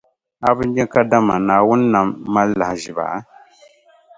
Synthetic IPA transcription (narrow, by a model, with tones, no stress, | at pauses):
a˨bɨ˦ɲ˦ɲɛ˦ka˦da˦ma˨naː˨wʊ˦n˦na˨mːa˦lːa˨hʒɪ˨ba̰˨a˦